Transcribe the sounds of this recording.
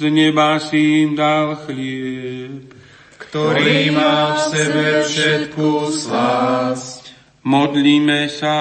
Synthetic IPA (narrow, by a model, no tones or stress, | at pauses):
zɲɛbasimd̪alxlɛ | p | kt̪ɔɾiːmafsɛbɛfʃɛt̪kusla | mɔd̪liːmɛsa